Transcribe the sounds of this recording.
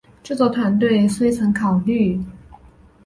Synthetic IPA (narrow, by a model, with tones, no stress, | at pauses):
ʈ͡ʂɤ˥˧˩t͡swɔ˥˩t̪ʰwa˧˥nt̪̬we˥˩ɪswe˥ɪt͡sʰɤ˧˥ŋkʰɑ˨˩ʊly˥˩